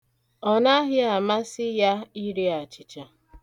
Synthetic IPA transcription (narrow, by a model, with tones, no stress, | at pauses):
ɔ˨na˦ɦɪ˦a˨ma˦sɪ˦ja˦i˦ɾi˦a˨t͡ʃɪ˨t͡ʃa˨